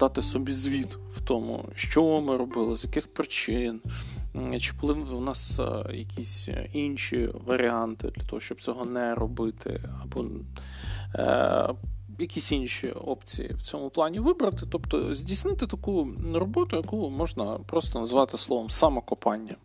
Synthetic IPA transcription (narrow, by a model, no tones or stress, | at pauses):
d̪̥ɑt̪ɪsɔbʲizʲʋʲit̪ | wt̪ɔmʊ̰ʃt͡ʃɔʋɪmɪɾɔbɪlˠɪzjɐkɪxpɾɪt͡ʃɪn | t͡ʃɪ̥bʊlˠɪwnɑsjɐkʲisʲinʲʃḭʋɐɾʲʔiɑnt̪ɪ̰d̪lʲɐt̪ɔɦɔʃt͡ʃɔb̚t͡sʲɔɦɔnɛɾɔbɪt̪ʰɪ̰ɐbɔ | jɐkʲisʲinʃḭɔpt͡sʲḭjḭwt͡sʲɔmʊplˠɑnʲiʋɪbɾɐt̪ɪt̪ɔpt̪ɔ̰zʲdʲijsnɪt̪ɪt̪ɐkurɔbɔt̪ʊjɐkumɔʒnɐpɾɔst̪ɔnɐzʋɑt̪ɪslˠɔʋɔmsɑmɐkɔpɑnʲːɐ